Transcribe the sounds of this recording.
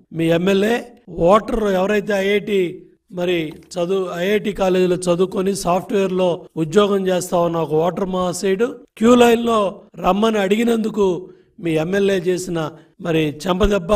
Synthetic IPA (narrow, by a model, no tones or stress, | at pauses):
miːemːelje̞ːʋɔːʈɐɾoɛʋɐɾɐjt̪̬e̞ːɐjeːʈiː | mɐɾit͡ʃɐd̪uɐjeːʈiːkaːle̞ːd͡ʒiloːt͡ʃɐd̪uːkonisaːpʰʈʋeːɐɾlo̞ːud̪jɔːɡɐmt͡ʃeːst̪aːʋunːaɔkɐʋɔːʈɐɾmaːsejɽukjuːlɐjnlo̞ːɾɐmːɐniɐɽiɡinɐnd̪uku | miːemːe̞lje̞ːt͡ʃe̞ːsinɐ | mɐɾit͡ʃɛmpɐd̪ɛbːɐ